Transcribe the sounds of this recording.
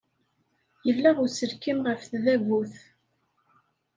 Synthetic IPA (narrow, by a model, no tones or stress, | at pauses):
jəvlæʁʊsəɾkimʁəfθðæɣuθ